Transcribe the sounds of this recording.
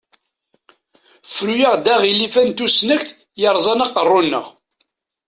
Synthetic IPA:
fɾujaʁd̪æʁilːifænt̪usnəçθ | jɑɾˤzˤɑnɑqːərˤːʊnːə̰ʁ

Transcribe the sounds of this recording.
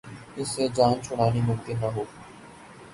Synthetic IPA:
ɪsːed͡ʒaːnt͡ʃʰʊɽ̃aːnimʊmkɪnːaɦoː

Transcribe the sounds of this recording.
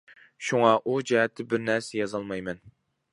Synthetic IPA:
ʃuŋɑʔud͡ʒɛɦɛt̪ʰːɪbɪɾnɛɾsɛjɑzɑlˠmɑjmɛn

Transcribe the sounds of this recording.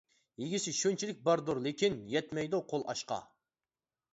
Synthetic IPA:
jeɡʲisɪʃønt͡ʃʰilɪk̚ʲbɑɾd̪uɾlekʲinjɛt̪mɛjd̪uqʰolˠɑ̰ʃqɑ̰

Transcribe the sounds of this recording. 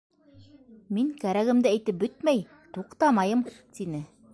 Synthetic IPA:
miŋkæɾæɣɘ̆md̪ɘæjt̪ɘp̚bɵt̪̚mæj | t̪uqt̪ɑmɑjɤmt̪inɘ

